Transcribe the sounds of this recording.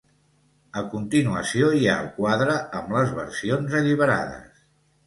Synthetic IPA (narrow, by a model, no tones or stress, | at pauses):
əkunt̪inuəsioja̰əlˠkwaðɾəəmləzβə̰rsionzəʎiβəɾa̰ðə̰s